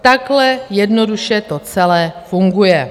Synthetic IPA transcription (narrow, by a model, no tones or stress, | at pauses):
t̪aɡlɛjɛdnoduʃɛt̪ot͡sɛlɛːfuŋɡujɛ